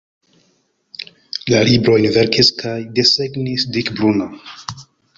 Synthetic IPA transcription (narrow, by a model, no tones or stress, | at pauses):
lalibɾoinvɛɾkiskʰajd̪esɛɡnisd̪ikbluna